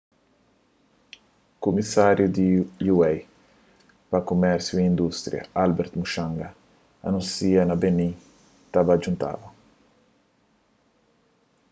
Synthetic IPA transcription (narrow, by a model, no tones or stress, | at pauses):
kumisaɾjud̪ijuɛj | pɐkomɛɾsjuiind̪ust̪ɾḭɐ̰albɛɾt̪muʃãŋɡɐ | ɐnũnsiɐnɐbeni | t̪abɐːd͡ʒunt̪a̰vɐ